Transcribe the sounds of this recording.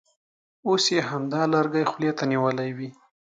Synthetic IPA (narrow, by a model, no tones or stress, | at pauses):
osjeɦamd̪ɑlaɾɡajxʊljet̪aniwəlajwi